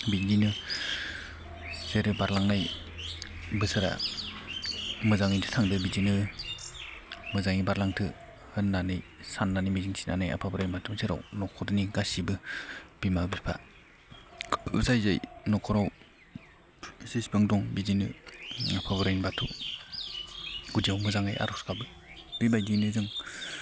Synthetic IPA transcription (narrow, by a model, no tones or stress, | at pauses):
bininɯ | zeɾɯbaɾlaŋnaj | bɯsaɾa̰ | mɯzaŋintʰɯ̥tʰaŋdɯbizinɯ | mɯzaŋibaɾlaŋtʰɯ | hɯnːanɯjsanːanimiziŋsʰi̥na̰naja̰pʰabɯɾajnmatʰumsʰeɾa̰wnɔkʰɔdɯniɡasibɯb̥imabipʰa̰ | ṵzajzajnɔkʰɔɾaw | sespɯŋdɔŋbizinɯapʰabɯɾajnbatʰṵ | ɡ̥udiawmɯzaŋajʔa̰ɾɔskʰabɯ | b̥ibajdinɯzɯŋ